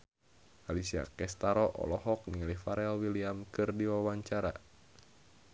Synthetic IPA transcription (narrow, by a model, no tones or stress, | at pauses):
ʔalisia̰kɛst̪aɾɔʔɔ̰lɔɦɔk̚niŋalifaɾɛlwiliamkɨrdiwawaɲt͡ʃaɾa̰